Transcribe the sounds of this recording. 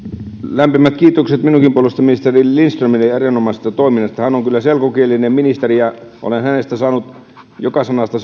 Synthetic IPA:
læmpimæt̪kiːt̪okset̪minuŋkimpuolest̪ɑminist̪erilinst̪romineerinomɑˑse̥st̪ɑt̪oˑiminːˑɑst̪ɑhænoŋkylːæselkokielinemminist̪erijɑʔo̰lenhænest̪æsɑːnut̪ | jokɑsɑnɑst̪ɑ

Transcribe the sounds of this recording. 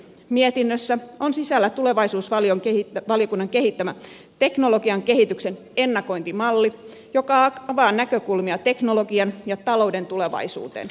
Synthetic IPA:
miet̪inːøsːæonsisælːæt̪ule̞ʋɑisuːsʋɑlioŋkeʋɑlijo̞kunːɑŋkeɦit̪ːæmæ | t̪e̞kno̞lo̞ɡiɑŋke̞ɦit̪ykse̞n | e̞nːɑko̞jnt̪imɑlːi | jo̞kɑɑʋɑːnːækøkulmiɑt̪e̞knoloɡiɑnjɑt̪ɑlo̞ude̞nt̪ule̞ʋɑ̰isṵːt̪ḛːn

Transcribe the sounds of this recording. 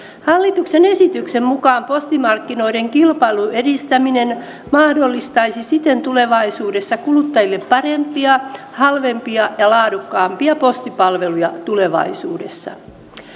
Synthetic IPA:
hɑlːit̪uksenesit̪yksemmukɑːmpost̪imɑrkːino̞ide̞ŋkilpɑiluedist̪æminen | mɑhdo̞lːist̪ɑisisit̪e̞nt̪ule̞ʋɑisuːdesːɑkulut̪ːɑjilːe̞ppɑrempˑiɑ | hɑlʋempiɑjɑlɑːdukːɑːmpiɑpo̞st̪ipɑlʋe̞lujɑt̪ule̞ʋɑ̰isuːdḛsːɑ̰

